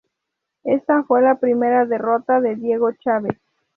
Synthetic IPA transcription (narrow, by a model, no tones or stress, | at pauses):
est̪afwe̞lapɾime̞ɾaðerot̪aðeðje̞ɣot͡ʃaβes